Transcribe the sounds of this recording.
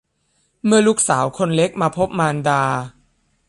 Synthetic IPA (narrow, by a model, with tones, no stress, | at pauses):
mɯ˧ɐlu˦˥k̚saː˩˦wkʰo˧nle˦˥k̚maː˧pʰo˦˥p̚maː˧ndaː˧